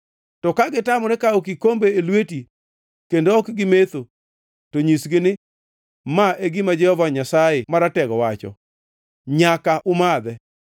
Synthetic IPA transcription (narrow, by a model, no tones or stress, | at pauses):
tɔkaɡɪtamɔnɛkaɔkɪkombeːlweti | kendoɔkɡɪmet̪o | toɲisɡɪnɪ | maʔeɡɪmad͡ʒɛhɔvaɲasajɪmaɾatɛɡɔwat͡ʃɔ̰ | ɲakaʔʊmad̪ɛ